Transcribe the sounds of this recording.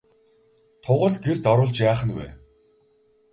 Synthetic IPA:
t̪ʰʊʁə̆ɮɡert̪ɔɾʊːɮt͡ɕjaːχə̆nwḛː

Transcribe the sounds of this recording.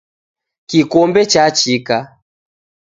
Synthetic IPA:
kikɔmbɛt͡ʃat͡ʃika

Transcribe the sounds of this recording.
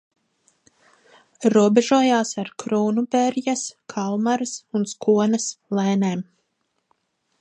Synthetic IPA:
ɾuɔbeʒuɔjaːsaɾkɾuːnubɛɾjaskʰalˠmaɾɨsunskuɔnɐslɛːnɛːm

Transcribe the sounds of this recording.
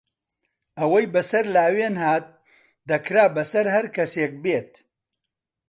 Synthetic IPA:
ɐwɐjbɐsɐɾlaːweːnɦaːt̪̚ | d̪ɐkɾaːbɐsɐɾhɐɾkʰɐseːk̚bet̪̚

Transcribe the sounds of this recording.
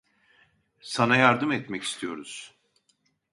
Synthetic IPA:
sanajaɾd̪ɯmɛt̪mɛci̥st̪ʰijo̞̰ɾuz̥

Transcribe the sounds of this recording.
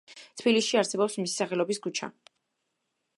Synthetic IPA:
t̪ʰbilisʃiaɾsɛbɔpsmisi̥saχɛlɔbiskut͡ʃʰa̰

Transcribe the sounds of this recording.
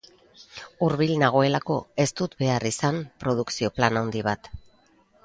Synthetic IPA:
uɾβilnaɣ̞o̞e̞lako̞e̞st̪ut̪be̞arisampɾo̞ð̞uksio̞planawnd̪iβ̞at̪

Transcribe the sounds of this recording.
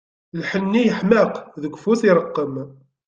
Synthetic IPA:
lħənːijəħməqðəɡʷːfuθɪɾˤəqːəm

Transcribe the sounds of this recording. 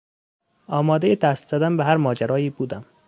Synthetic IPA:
ɒːmɒːd̪ejet̪ʰæst̪zæd̪æmbæɦæɾmɒːd͡ʒæɾɒːjiːbuːd̪æm

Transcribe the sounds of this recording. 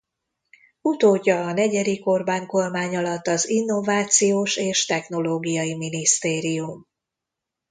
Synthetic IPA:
ut̪oːɟːɒːnɛɟɛd̪iko̞rbaːŋko̞lmaːɲɒlɒt̪ːɒzinːo̞vaːt̪sijoːʃeːʃt̪ɛxno̞loːɡijɒjiminist̪eːɾijum

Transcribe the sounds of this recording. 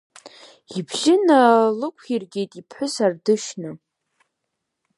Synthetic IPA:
ibʒɪnalɨkʷʰirɡʲe̞jtʼipʰħʷʊsardɨʃnɨ

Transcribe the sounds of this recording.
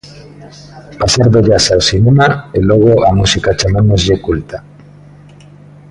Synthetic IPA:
pasaɾðoʎasawsinemaelɔɣ̞oʔamusikat͡ʃamanozʎekult̪a

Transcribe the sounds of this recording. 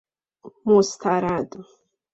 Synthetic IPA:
must̪ʰaɾad̪

